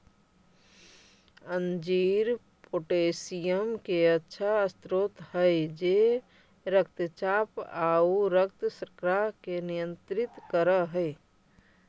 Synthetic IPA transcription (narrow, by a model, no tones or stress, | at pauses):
ənd͡ʒiːɾ | poʈesijəmkeətːʃʰaəst̪ɾot̪həjd͡ʒe | ɾəkt̪t͡ʃaːpauɾək̚t̪sɾkɾakenijə̃nt̪ɾɪt̪kəɾəɦəɪ